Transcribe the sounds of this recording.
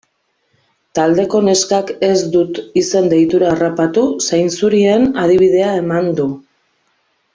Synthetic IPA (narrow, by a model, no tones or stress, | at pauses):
t̪ald̪e̞ko̞ne̞skake̞zd̪ut̪ise̞nd̪ejt̪uɾaːrapat̪usajnsuɾie̞nað̞iβ̞ið̞e̞ae̞mand̪u